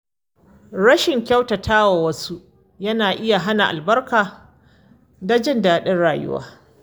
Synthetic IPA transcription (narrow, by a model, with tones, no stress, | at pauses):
ɽɐ˦ʃɪ˨ŋkʲɐ˦wtɐ˨tʰaː˦wa˨wɐ˦su˦ʔ | jɐ˦naː˨ʔɪ˦ja˨ɦa˦na˨ʔa̰˨lbɐ˦rkaː˨ | da˦d͡ʒɪ˦ndaː˨ɗɐ˦nɽaː˨jʊ̰˦wa̰ː˦